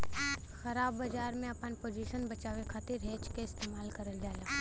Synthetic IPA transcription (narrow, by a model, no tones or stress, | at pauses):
xəɾaːbːəd͡ʒaːɾmẽɐpənpoːd͡ʒiʃənbɐt͡ʃaːʋekʰaːt̪ɪɾɦeːt͡ʃkeɪst̪eːmaːlkəɾəld͡ʒaːlaː